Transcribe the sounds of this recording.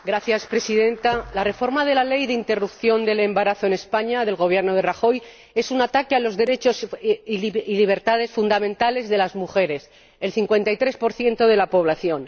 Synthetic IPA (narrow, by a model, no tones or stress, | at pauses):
ɡɾaθjaspɾe̞siðe̞nt̪alare̞fo̞ɾmað̞e̞lale̞jðeint̪e̞rupθjo̞nd̪e̞le̞mbaɾaθo̞ene̞spaɲaðe̞lɣo̞βje̞ɾnoð̞e̞raxo̞j | e̞sunat̪akealo̞zðe̞ɾe̞t͡ʃo̞s | iliβ̞e̞ɾt̪að̞e̞sfund̪amẽnt̪ale̞zðe̞lazmuxe̞ɾe̞s | e̞lθiŋkwe̞nt̪ajt̪ɾe̞spo̞ɾθje̞nt̪o̞ð̞elapo̞β̞laθjo̞n